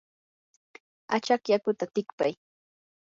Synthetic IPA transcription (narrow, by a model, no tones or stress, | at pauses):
at͡ʃakjakʊt̪at̪ɪkpaj